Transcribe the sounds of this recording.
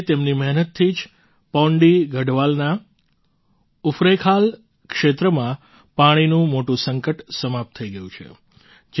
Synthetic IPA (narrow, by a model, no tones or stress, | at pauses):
t̪emnimɛɦnət̪ʰːid͡ʒ | pɔ̃ɳɖiɡʱəɖʋalna | ufɾekʰal | kʂet̪ɾəmã | paɽ̃inũmoʈũsəŋkəʈsəmap̚t̪ʰːəiɡəjũt͡ʃʰḛ | d͡ʒ